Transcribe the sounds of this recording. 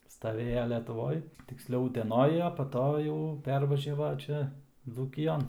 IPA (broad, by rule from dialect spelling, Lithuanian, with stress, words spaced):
stɐˈʋʲeːjɛ lʲɛtʊˈʋoːj tʲɪksʲˈlʲɛʊ ʊtʲɛˈnoːj ɐ pɐ ˈtoː jɛʊ ˈpʲɛrʋɐʒʲɛʋɐ ˈt͡ʃʲɛ d͡zuːkʲɪˈjoːn